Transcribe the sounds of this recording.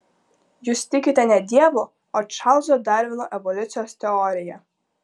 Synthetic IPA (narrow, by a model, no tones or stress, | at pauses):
juːst̪ʲɪkʲɪt̪ʲɛnʲɛd̪ʲiɛʋʊ | ɔt͡ʃɑlˠzɔd̪ɑɾʲʋʲɪnɔʔɛʋɔlʲʊt̪sʲɪjost̪ʲɛɔːɾʲɪjɛ